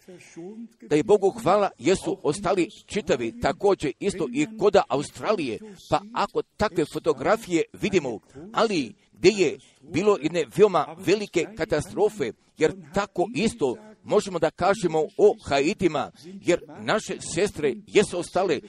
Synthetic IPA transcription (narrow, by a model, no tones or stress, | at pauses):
d̪̥aje̞bo̞ɡuxʋaːlajesuost̪alit͡ʃit̪aʋit̪ako̞ːd͡ʑe̞ist̪o̞ʔiko̞d̪aʔaust̪ɾaːlije̞paako̞t̪akʋe̞fo̞t̪o̞ɡɾafije̞ʋid̪imo̞ali | ɡd̪je̞je̞ | biːlo̞je̞d̪ne̞ʋeomaʋe̞like̞kat̪ast̪ɾo̞ːfe̞ | je̞ɾt̪ako̞ʔist̪o̞mo̞ʒe̞mo̞d̪akaːʒemo̞oxait̪imaje̞ɾnaʃe̞se̞st̪ɾe̞je̞suost̪ale